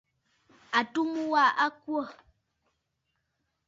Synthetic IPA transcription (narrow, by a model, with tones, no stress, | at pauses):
a˨tu˦mu˦wa˦˨ʔa˦kwɔ˦˨